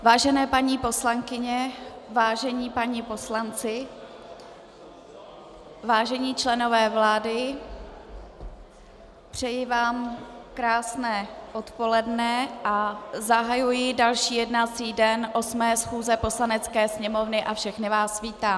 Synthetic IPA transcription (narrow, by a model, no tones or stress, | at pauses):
vaːʒɛnɛːpaɲiːpo̞slaŋkɪɲɛvaːʒɛɲiːpaɲipo̞slant͡sɪ | vaːʒɛɲiːt͡ʃlɛno̞vɛːvlaːdɪ | pr̝̥ɛjɪvaːmkɾaːsnɛːʔo̞t̪po̞lɛdnɛʔazaɦajujɪdalʃiːjɛdnat͡siːdɛnʔo̞smɛːsxuːzɛpo̞slanɛt͡skɛːsɲɛmo̞vnɪʔafʃɛxnɪvaːsviːt̪aː